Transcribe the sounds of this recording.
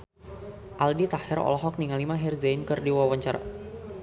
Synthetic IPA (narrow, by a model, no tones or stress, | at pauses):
ʔaldit̪ahɪɾɔ̰lɔɦɔk̚niŋalimaɦɛrzajnkərdiwawaɲt͡ʃaɾa̰